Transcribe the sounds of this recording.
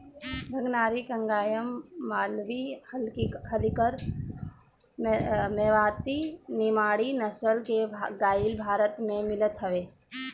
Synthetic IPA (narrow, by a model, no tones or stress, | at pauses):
bʱəɡnaːɾikə̃ŋɡaːjəmːaːlʋilɦəlkəɾ | meːʋaːt̪inɪmaːɽinəsəlkeɡaːɪlbʱaːɾət̪mẽmɪlət̪ɦəʋeː